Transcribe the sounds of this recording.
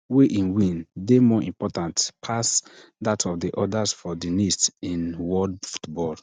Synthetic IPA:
weʔĩnwĩndemɔʔĩmpɔtãntpʰasdatʰɔfdiʔɔdasfɔdinistĩnwɔdfu̥tbɔl

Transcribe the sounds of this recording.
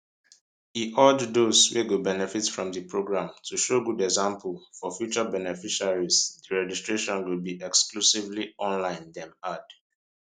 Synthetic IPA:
hiʔɔddosweɡubɛnɛfitfɹɔ̃mðipʰɹoɡɹãmtʰuʃoɡudɛɡzãmplfɔfjut͡ʃəbɛnɛfiʃaɹizdiɹɛd͡ʒistɹeʃɔ̃nwilbiʔɛksklusivliɔ̃nlãɪ̃ndɛ̃mad̥

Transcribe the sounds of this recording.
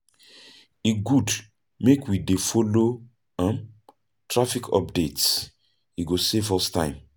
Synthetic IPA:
iɡud | mekwidefɔlo | ãm | tʰɹafikʰɔ̰p̚dets | iɡosefɔstã̰ɪ̃m

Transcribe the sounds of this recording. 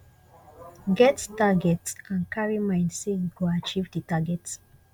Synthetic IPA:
ɡɛttaɡɛtsãnkaɹimãɪ̃ndseɡoat͡ʃivdətaɡɛt

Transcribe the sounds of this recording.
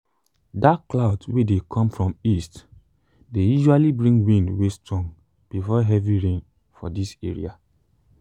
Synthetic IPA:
dakkːlaʊdwedekʰɔ̃mfɹɔ̃mist | dejuʒualibɹĩŋɡwĩndwestɹɔ̃ŋ | b̥ifɔɦɛviɹẽn | fɔ̰disɛɹḭa

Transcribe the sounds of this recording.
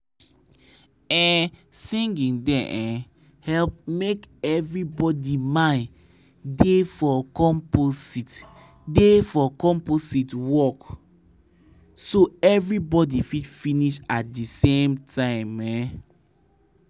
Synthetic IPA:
ɛ̃sĩŋɡĩŋdɛ̰̃ʔɛ̃ | hɛlp̚mekɛvɹibɔdimãn | defɔkɔ̃mposit | defɔkɔ̃mpositwɔk | soɛvɹibɔdifitfiniʃat̚disẽmtʰãɪ̃mɛ

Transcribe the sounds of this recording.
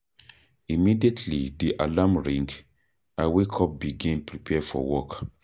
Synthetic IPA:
imidietʰlidiʔalamɹĩŋɡ | awekʰɔp̚biɡĩnpʰɹipʰɛfɔ̰wɔk

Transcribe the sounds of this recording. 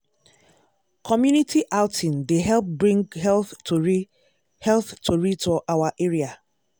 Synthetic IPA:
kʰɔmjunitʰiʔaʊtʰĩndeɦɛlp̚bɹĩŋɡhɛlθ | hɛlθtʰoɹid̚tuʔawaʔeɹia

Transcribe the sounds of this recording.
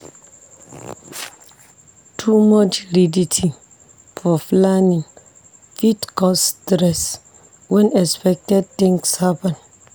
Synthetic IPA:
tʰumɔt͡ʃɾiditʰi | fɔflanĩŋ | fitkɔstɾɛs | wɛ̃nɛspɛk̚tɛd̚t̪ĩŋkshapɛ̃n

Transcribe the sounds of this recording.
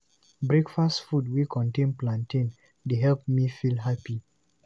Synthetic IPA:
bɹɛkfastfudwikʰɔ̃ntẽnplãntĩn | deɦɛlp̚mifilɦapi

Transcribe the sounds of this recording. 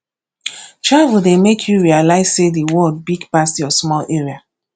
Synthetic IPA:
t͡ʃɹawidemekʰjuɹialaɪz̥sediwɔd̚biɡpasjɔsmɔlʔeɹia

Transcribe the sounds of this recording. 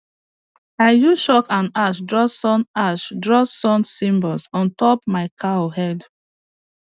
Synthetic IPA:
aɪjuʃɔkãnaʃdɹɔsɔ̃naʃdɹɔsɔ̃nsĩmbɔlsɔ̃ntɔpmaɪkʰaohɛd

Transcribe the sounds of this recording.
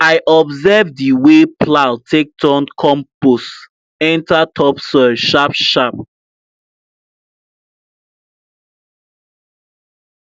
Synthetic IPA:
aɪʔɔbzɛvdiwepʰlaltʰek̚tʰɔ̃nkʰɔ̃mpos | ɛ̃ntatʰɔpsəʃapʃap̚

